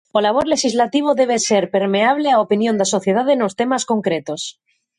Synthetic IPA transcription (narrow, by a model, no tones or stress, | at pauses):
olaβ̞oɾle̞ʃizlat̪iβ̞oðeβ̞eseɾpe̞ɾmeaβ̞leaopinjond̪aso̞θje̞ðaðenost̪e̞masko̞ŋkɾet̪os